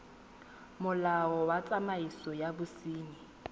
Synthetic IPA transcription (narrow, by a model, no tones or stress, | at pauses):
mʊlaɔwat͡sʼamaisɔjabʊsiːni